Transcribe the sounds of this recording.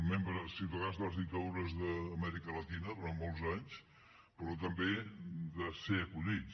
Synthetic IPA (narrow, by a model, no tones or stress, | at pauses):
membɾəsit̪əɣazðəzðit̪auɾəzðəːmɛɾikələt̪inəðuɾanmɔlˠzaɲs | pəɾɔt̪əmbed̪əseəkuʎit͡s